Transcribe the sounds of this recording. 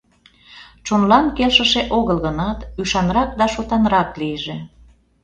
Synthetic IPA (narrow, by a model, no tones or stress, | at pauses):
t͡ʃonlɑnkelʃəʃeʔoɣəlɣənɑt̪yʃɑnrɑk̚d̪ɑʃot̪ɑnɾɑkliəʒe